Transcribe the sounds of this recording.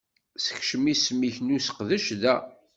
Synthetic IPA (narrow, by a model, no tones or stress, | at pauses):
sə̥çʃəmismiçnusə̥qðəʃðæ